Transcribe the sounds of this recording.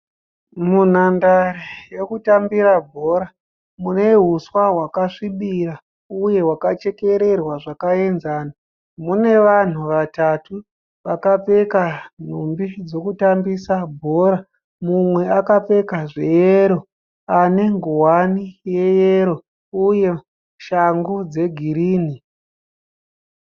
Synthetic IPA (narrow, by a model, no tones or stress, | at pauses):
mun̤andaɾije̞kutambiɾabʱo̞ɾa | mune̞ɦuswaɦwakaʂiɓiɾa | uje̞wakat͡ʃe̞ke̞ɾe̞rwaʐakae̞nzaːna | mune̞ʋan̤uʋatatu | ʋakap͡fe̞kan̤umbid͡zo̞kutambisabʱoːɾa | mumwe̞akap͡fe̞kaʐejeɾo̞ | ane̞ŋɡowanije̞jeɾo̞ | uje̞ | ʃaŋɡud͡ze̞ɡʱiɾiːni